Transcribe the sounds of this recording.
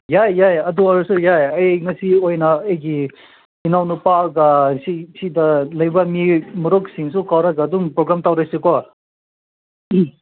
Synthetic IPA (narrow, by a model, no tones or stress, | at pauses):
jajjajɐduɐɾusujajɐjŋɐsiojnɐːjɡi | inawnupalɡɐsisidɐlɐjbɐmimuɾɔk̚siŋsukawɾaɡaːduŋpɾoɡɾamtawɾajsekɔ | i